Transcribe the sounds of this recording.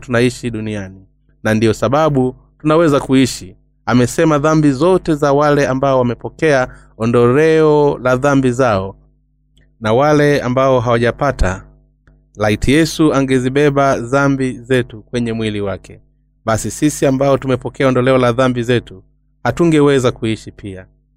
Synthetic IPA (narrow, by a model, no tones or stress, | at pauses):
tunaiʃiɗuniani | nandiɔsaɓaɓu | tunawɛzakuiʃi | amɛsɛmaðambizɔtɛzawalɛambaɔwamɛpɔkɛa | ɔndɔlɛɔlaðambizaɔ | nawalɛa̰mbaɔɦawaʄapatʰa̰ | laitʰijɛsuaŋɡɛziɓɛɓaðambizɛtukwɛɲɛmwiliwakʰɛ | ɓasisisiambaɔtumɛpɔkɛaɔndɔlɛɔlaðambizɛtu | hatuŋɡɛwɛzakuiʃipʰia